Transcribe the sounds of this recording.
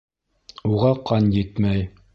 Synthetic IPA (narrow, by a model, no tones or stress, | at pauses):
uʁɑqʰɑnjɘt̪mæj